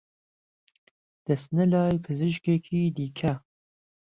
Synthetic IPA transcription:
d̪̥ɐsnɨlɑːjpʰɨzɨʃkekʰiːd̪iːkʰɐ

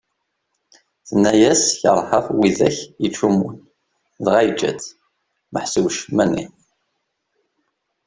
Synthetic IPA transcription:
θənːæjæsçə̰ɾˤħəfwiðæ̰çjət͡ʃːumun | ðʁæjd͡ʒːæ̰t͡s | məħsuwʃmænḭ

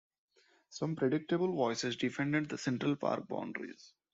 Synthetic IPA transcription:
sʌ̃mpɾeɖɪk̚ʈebəlʋɔɪsɪzɖɪfɛ̃ɳɖeɖ̚d̪əsɛ̃ɳʈɾəlpa̰ːɾk̚bã̰ʊ̃ɳɖɾḭz̥

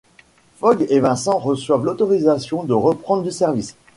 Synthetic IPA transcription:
fɔɡevɛ̃sɑ̃ʁəswavlot̪ɔʁizasjɔ̃d̪əʁəpχɑ̃d̪ʁd̪ysɛʁvis

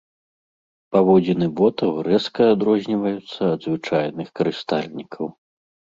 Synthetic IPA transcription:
pavɔd͡zʲinɨbɔt̪ɐwɾɛskɐːd̪ɾɔzʲnʲivɐjut̪sːɐːd̪zvɨt͡ʂajnɨxkɐɾɨst̪alʲnʲikʰɐw

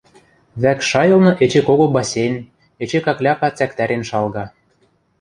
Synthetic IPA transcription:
βækʃɑjɤ̆lˠnɤ̆ʔet͡ɕekoɣobɑsʲenʲ | et͡ɕekɑklʲɑpɑt͡sækt̪æɾenʃɑlɣɑ

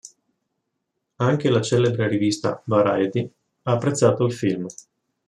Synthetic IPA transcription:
aŋk̟elat͡ʃɛːlebɾerivist̪a̰vaɾajd̪i | aːpːɾet̪sːaːt̪oilfilm

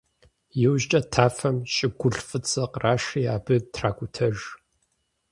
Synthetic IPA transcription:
jɪwʒt͡ʃʼɐtʰaːfɐmɕʼɪɡʷʊɬfʼɨt͡sʼɐqraːʂiːaːbɨtʰraːkʷʼʊtʰɐʒ

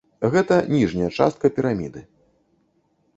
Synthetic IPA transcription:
ɣɛt̪ɐnʲiʐnʲɐjɐt͡ʂa̰st̪̚kɐpʲiɾamʲḭd̪ɨ

